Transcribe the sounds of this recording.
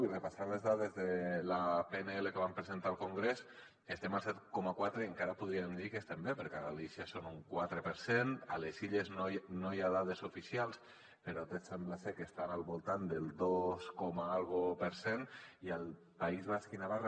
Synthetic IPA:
irepasaɾlezðaðezðelapeneelekeβampɾezent̪aːlˠkuŋɡɾes | est̪emalˠsɛt̪kɔmakwat̪ɾeːŋkaɾapuðɾiemd̪ikest̪embepəɾkeaɣalisiasonuŋkwat̪ɾepəɾsenəleziʎeznonojaðaðezufisialˠs | peɾat̪esemblasekest̪analˠβulˠt̪and̪elˠd̪oskɔmaalˠɣopəɾseniəlˠ | paizβaskinaβar

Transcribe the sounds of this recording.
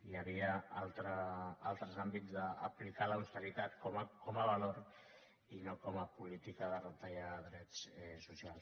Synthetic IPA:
iaβiaalˠt̪ɾəalˠt̪ɾəzambid͡zðə̰ːplikalawst̪əɾit̪at̪komakoməβaloɾ | inokoməpulit̪ikəðərət̪ajaðɾɛt͡sɛsusialˠs

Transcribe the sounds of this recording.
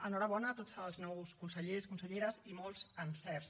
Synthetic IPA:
ənɔɾəβ̞ɔnət̪od͡zəlˠznɔwskunsəʎeskunsəʎeɾəzimolˠzənsɛrs

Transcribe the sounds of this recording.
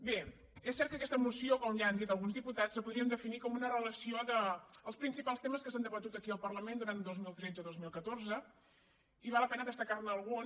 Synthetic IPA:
be | esːɛɾrt̪kəkɛst̪əmusiokɔmʒaːnd̪it̪əlˠɣunzðiput̪at͡ssəpuðɾiənd̪əfinikɔmunərələsioðəəlˠspɾinsipalˠst̪eməskəsand̪əβət̪ut̪əkiəlˠpərləmend̪uɾand̪ozmilˠt̪ɾɛd͡zəðozmilˠkət̪orzə | iβalːəpɛnəðəst̪əkarnəːlˠɣu

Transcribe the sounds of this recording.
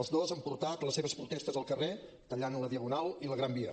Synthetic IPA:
əzðozəmpuɾt̪at̪ləseβəspɾut̪est̪əzəlˠkəre | t̪əʎanləðiəɣunalˠiləɣɾambiə

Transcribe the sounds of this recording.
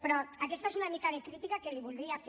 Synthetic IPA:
pɾɔakest̪aesunamikaðekɾit̪ikakeliβuld̪ɾiaf

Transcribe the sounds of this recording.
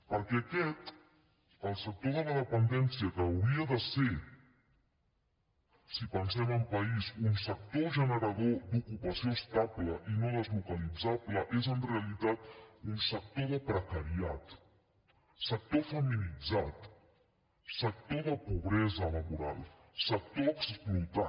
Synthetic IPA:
pəɾkɛakɛt̪ | əlˠsək̚t̪oðəðəðəpənd̪ɛnsiəkəːwɾiəðəse | sipənsɛməmpəizunsək̚t̪oʒənəɾəðod̪ukupəsioəst̪apləʔinoðəzlukəlid͡zapləʔezənrealit̪at̪unsək̚t̪oðəpɾəkaɾiat̪ | sək̚t̪ofəmilid͡zat̪ | sək̚t̪oðəpuβɾɛzəlaβuɾa̰lˠ | sək̚t̪oəksplut̪a

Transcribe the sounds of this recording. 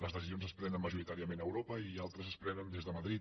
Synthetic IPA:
ləzðəsizionzəspɾɛnənməʒuɾit̪aɾiəmenəwɾopəialˠt̪ɾəzəspɾɛnənd̪ezðəməðɾit̪

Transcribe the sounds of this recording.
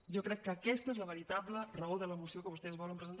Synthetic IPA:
ʒɔkɾɛkːəːkɛst̪əezləβəɾit̪ablərəoðələmusiokəβust̪ɛzβɔləmpɾəzənt̪

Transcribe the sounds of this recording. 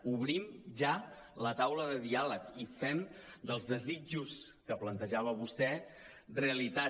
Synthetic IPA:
uβɾimʒa | lət̪awləðəðialəkifɛmd̪əlˠzðəzid͡ʒuskəplənt̪əʒaβəβust̪ɛ | reəlit̪a

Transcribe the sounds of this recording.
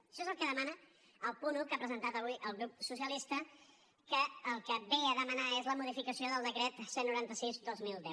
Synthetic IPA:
əʃɔezəlˠkəðəmanə | əlˠpunukapɾəzənt̪at̪əβuiʔəlˠɣɾup̚susiəlist̪ə | kəːlˠkəbeəðəmənaezləmuðifikəsioðəlˠd̪əkɾɛt̪senːuɾant̪əsizd̪ozmilˠd̪ɛw

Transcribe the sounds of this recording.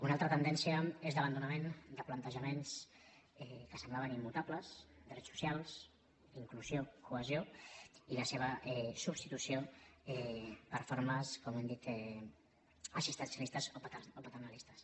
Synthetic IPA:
unalˠt̪ɾət̪ənd̪ɛnsiəezðəβənd̪unəmend̪əplənt̪əʒəmens | ɛkəsəmblaβənimːut̪apləsd̪əɾrɛsu̥sjalˠs | iŋkluzjokuəzjoiləseβ̞əɛsubst̪it̪usioɛpəɾfoɾməskomɛnd̪it̪ɛ | əsist̪ənsjəlist̪əzoopət̪ərnəlist̪əs

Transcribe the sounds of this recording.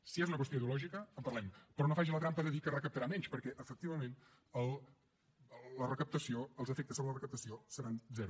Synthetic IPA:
siezunəkwəsoiðiulɔʒikəəmpəɐrlɛmpɾɔnofaʒilət̪ɾampəðəðikərəkəp̚t̪əɾamɛɲt͡ʃpəɾkɛʔəfək̚t̪iβəmen | əlˠ | lːərəkəp̚t̪əsioəlˠzəfɛk̚t̪əsoβələrəkəp̚t̪əsiosəɾanzɛɾu

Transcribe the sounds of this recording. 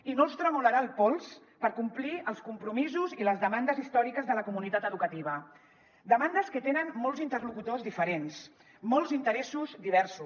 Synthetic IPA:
inolˠst̪ɾəmuləɾalˠpɔlˠs | pəɾkumpliəlˠskumpɾumizuziləzðəmand̪əzist̪ɔɾikəzðələkumunit̪at̪əðukət̪iβ̞ə | d̪əmand̪əskət̪enənmɔlˠzint̪ərlukut̪ozðifəɾens | mɔlˠzint̪əɾɛsuzd̪iβ̞ɛɾsu

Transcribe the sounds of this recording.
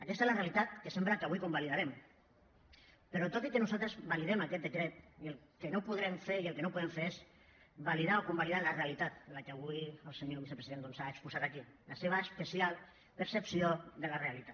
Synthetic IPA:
akɛst̪ezlarealit̪at̪kəsɛmpɾakaβujkumbaliðaɾem | pəɾot̪ot̪ikenuzalt̪ɾəzβaliðɛmakɛt̪̚d̪əkɾet̪̚iəlˠ | kenopuðɾɛmfeɾiəlˠkenopuðeɱfeɾes | βaliðaokumbaliðalarealit̪at̪̚lakeaβ̞ujəlˠseɲoβisəpɾesiðend̪onsaekspusat̪aki | laseβəespəsialˠ | pəɾsəpsioðəlarealit̪at̪

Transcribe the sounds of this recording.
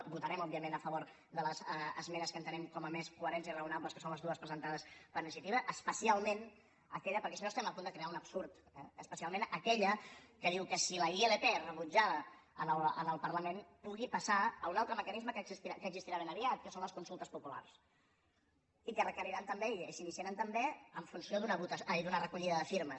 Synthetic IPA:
but̪əɾɛmɔbiəmenəfəβoɾ | ðələzəzmɛɾəskənt̪ənɛmkɔməmeskuəɾɛnsiərəunabləskə̥sonləzðuəspɾəzənt̪aðəspəɾniʃ̬iət̪iβəʔəspəsialˠmen | əkɛʎəpəɾkɛsinost̪ɛməpund̪əkɾeaunəpsuɾt̪ | ɛəspəsialˠmẽnəkɛʎəkəðiwkəsiləieleperəβud͡ʒaβə | ənələ̰nəlˠpəɾləmenpuɣipɐsaəunalˠt̪ɾəməkənizməkəzist̪iakəːɡzist̪iɾaβenəβiat̪̚kəsonləskunsulˠt̪əspupula̰rs | ikərəkərɾiɾant̪əmbeiəʃinisiəɾant̪əmbeəɱfunsioðunəβut̪əsd̪unərəkuʎiðəðəfiɾməs

